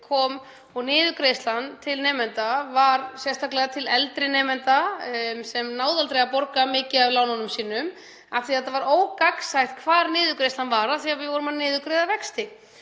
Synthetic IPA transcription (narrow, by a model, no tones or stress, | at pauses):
kʰɔːm | ɔɣnɪːðʏkɾest̪lant̪ʰɪlnɛːmɛnt̪avaɾsɛst̪aklɛɣat̪ʰɪlɛlt̪ɾɪnɛːmɛnt̪asɛmnaːwðalt̪ɾejɣapɔɾkamɪːcɪavlaːwnanʏmsiːnʏm | aft̪iθɛt̪ːavaɾoːwkaksajht̪̚kʰvaːɾnɪːðʏkɾejst̪anvaːɾaθiːɣavɪðvɔːɾʏmanɪːðʏkɾeðavɛkst̪ɪ